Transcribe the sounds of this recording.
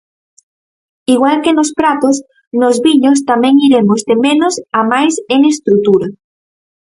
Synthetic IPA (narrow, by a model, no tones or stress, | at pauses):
iɣwalkenospɾat̪os | nozβiɲos̬t̪amẽŋiɾemozdemẽnosamajseŋest̪ɾut̪uɾa